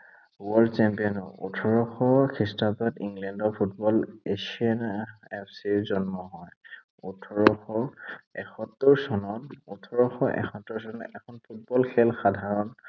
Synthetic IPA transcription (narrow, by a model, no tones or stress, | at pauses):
uwaɹt͡ʃɛmpiɔnɔṵtʰɔɹɔxɔkʰistapɔtiŋɡlɛndɔpʰut̚bɔlesianɛpʰsiɹzɔnmɔɦɔj | utʰɔɹɔxɔɛxʰɔtːɔɹsɔnɔtutʰɔɹɔxɔʔɛ̰xʰɔtːɔɹsɔnɔɛkʰɔnpʰut̚bɔlkʰɛlxadʱaɹɔn